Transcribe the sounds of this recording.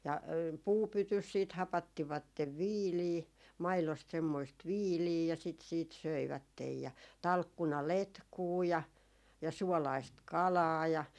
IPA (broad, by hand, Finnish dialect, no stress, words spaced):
jɑ puːpytys siːt hɑpɑtːiʋɑtːeʋ ʋiːliː mɑilost semːoist ʋiːliː jɑ sit siːt søiʋætːej jɑ tɑlkːunɑletkuː jɑ jɑ suɔlɑist kɑlɑː jɑ